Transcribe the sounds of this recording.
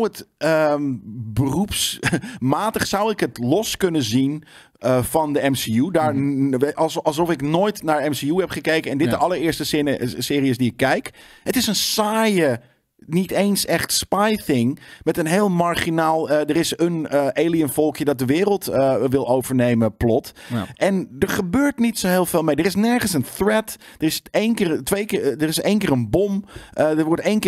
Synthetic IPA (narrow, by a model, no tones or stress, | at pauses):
ətə | bərupsmaːtəχsawɪkətlɔskønəzin | əfɔndəɛmsiudaːɹ | ɑlˠs̬ɔfɪknoːjtnaɹɛmsiuhɛpχəkejkəɛndɪdəʔɑləɹɪɹstəsɪːɾiəsdiɪkːɛjkhətɪsənsaːjə | nitejnsɛχtspajθɪŋmɛtənɦeːlˠmaɹχinaːlˠədərɪsənəʔeːliənfɔlˠkjədɔt̚dəʋɪːɾəlˠtəʋɪlˠoːvəɹneːməplɔtʔɛndəɹχəbøːɹtnitsoːɦɪːlˠfeːlˠmejdərɪsnɛɹχənsənθrɛtd̥ərɪsenkɪrtʋejkːdərɪseːnkɪːrənbomʔədəʋʊɹteːnkː